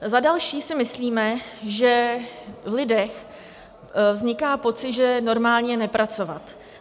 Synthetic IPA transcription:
zadalʃiːsɪmɪsliːmɛʒɛ | vlɪdɛx | vzɲɪkaːpo̞t͡sɪt̪ʒɛno̞ɾmaːlɲɛnɛpɾat͡so̞vat̪

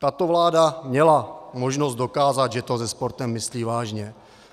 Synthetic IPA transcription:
t̪at̪o̞vlaːdamɲɛlamoʒnozt̪̚dokaːzad̪ʒɛt̪ozɛspo̞ɾt̪ɛmːɪsliːvaːʒɲɛ

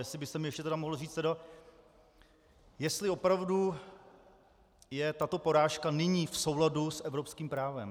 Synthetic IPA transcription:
jɛsɪbɪst̪ɛmɪjɛʃcɛt̪ɛdamoɦl̩riːt͡st̪ɛda | jɛst̪lɪo̞pɾavdu | jɛt̪at̪o̞po̞ɾaːʃkanɪɲiːfso̞wladusʔɛvɾopskiːmpɾaːvɛ̰m

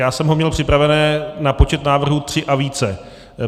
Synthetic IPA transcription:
jaːsɛmɦomɲɛlpr̥ɪpɾavɛnɛːnapo̞t͡ʃɛt̪naːvr̩ɦut̪r̝̥ɪʔaviːt͡sɛ

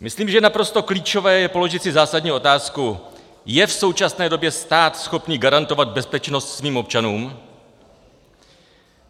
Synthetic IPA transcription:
mɪsliːmʒɛnapɾo̞st̪o̞kliːt͡ʃo̞vɛːjɛpo̞lo̞ʒɪt̪sɪzaːsadɲiːʔo̞t̪aːsku | jɛfso̞wt͡ʃasnɛːdo̞bjɛst̪aːt̪sxo̞pniːɡaɾant̪o̞vad̪̚bɛspɛt͡ʃno̞st̪sviːmo̞p̚t͡ʃanuːm

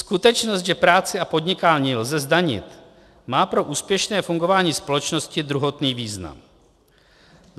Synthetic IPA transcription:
skut̪ɛt͡ʃnost̪ʒɛpɾaːt͡sɪapo̞d̪ɲɪkaːlɲilzɛzdaɲɪ̰t̪ | maːpɾo̞ʔuːspjɛʃnɛːfuŋɡo̞vaːɲiːspo̞lɛt͡ʃno̞scɪd̪ɾuɦo̞t̪niːviːzna̰m

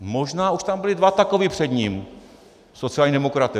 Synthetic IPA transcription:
moʒnaːuʃt̪ambɪlɪdvat̪akovipr̝̥ɛd̪ɲiːm | sot͡siaːlɲidɛmokɾat̪ɛ

